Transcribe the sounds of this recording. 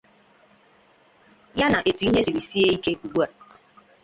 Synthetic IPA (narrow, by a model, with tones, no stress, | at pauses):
ja˦na˨ʔe˨tu˨˦i˦ɦe˦si˨ɾi˨si˦e˦i˦ke˦u˨ɡ͡bu˦a˨